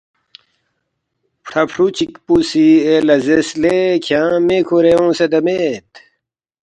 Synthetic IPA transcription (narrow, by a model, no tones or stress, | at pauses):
pʰʈʰɐpʰɾut͡ɕikpusielɐzeslekʰjãːmeːkʰoɾeõːsed̪ɐmeːt̪